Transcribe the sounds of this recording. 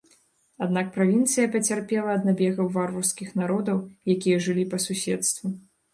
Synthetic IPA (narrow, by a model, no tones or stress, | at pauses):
ad̪nak̚pɾavʲint̪sɨjɐpɐt͡sʲarpʲɛlˠɐːd̪nabʲɛɣɐwvarvɐrskʲixnaɾɔd̪ɐwjakʲijɐʐɨlʲipɐsusʲɛt̪st̪vu